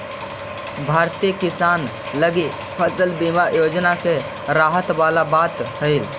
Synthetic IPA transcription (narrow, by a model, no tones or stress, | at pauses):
bʱaːɾt̪iəkɪsaːn | ləɡi | pʰəsəlbimajoːd͡ʒnake | ɾaːɦət̪ʋaːlabaːt̪həɪl